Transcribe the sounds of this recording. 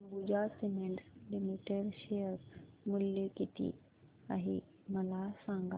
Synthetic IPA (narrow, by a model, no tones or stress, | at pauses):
bud͡ʑasimeɳʈslimiʈeɽɕejəɾmuljukit̪ḭ | a̰ɦḭ | məlasãŋɡa̰